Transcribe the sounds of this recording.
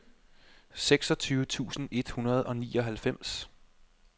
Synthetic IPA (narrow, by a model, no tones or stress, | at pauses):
seɡ̥sɒ̽t͡sʰyːʊət͡sʰṵːsn̩e̝d̥hunɐð̞ˠɒ̽niːɒ̽ɦælfem̰s